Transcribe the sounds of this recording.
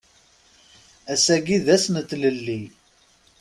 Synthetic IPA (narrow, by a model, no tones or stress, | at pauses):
æsæɡiðæsnət̪ːləlːi